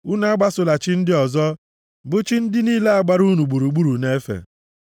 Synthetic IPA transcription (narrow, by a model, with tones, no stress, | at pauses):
u˦na˦a˦ɡ͡ba˦sʊ˨la˨t͡ʃɪ˦n̩˦dɪ˦ɔ˨zɔ˦ | bʊ˦t͡ʃi˦n̩˦dɪ˦niː˦le˦a˨ɡ͡ba˦ɾu˦nu˨ɡ͡bu˨ɾu˨ɡ͡bu˦ɾu˨ne˦fḛ˨